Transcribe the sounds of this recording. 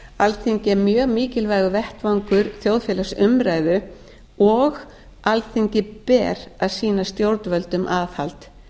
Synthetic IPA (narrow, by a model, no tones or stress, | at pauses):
alθiɲcɪɛmjœːɣmiːcɪlvaːjɣʏvɛht̪vaŋkʏɾθjowðfjɛːlasʏmɾaːjðʏ | ɔɣ | alθiɲcɪpɛːɾaðsiːnast̪jowɾt̪vœlt̪ʏmʔaːðhalt̪